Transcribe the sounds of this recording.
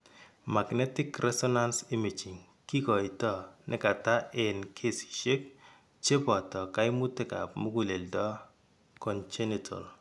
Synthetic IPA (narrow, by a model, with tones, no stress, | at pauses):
ma˨knɛ˦ti˦krɛ˦sɔ˦na˦nsi˦mi˨t͡ʃi˨ŋ | ki˦kɔ˨i˨tɔ˦nʔɪ˨ka˨ta˦ʔe˨nkʰe˦si̥˨ʃe˦k̚ | t͡ʃe˦pɔ˨tɔ˨ka˦i˦mu˦te˦ka̰˨p̚mu˦ku˨le˨ltɔ˦ | kɔ˨nt͡ʃɛ˦nitʰɔ̰˨l